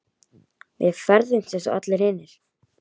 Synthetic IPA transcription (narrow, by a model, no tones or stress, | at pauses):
vɪ̰ðfɛɾðʏm̥sɛsʏat̪lɪɾhɪnːɪɾ̥